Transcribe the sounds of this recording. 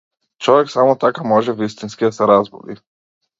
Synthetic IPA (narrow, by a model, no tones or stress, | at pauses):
t͡ʃɔʋɛksamɔt̪akamɔʒɛvist̪inskid̪asɛɾazbɔ̰d̪ḭ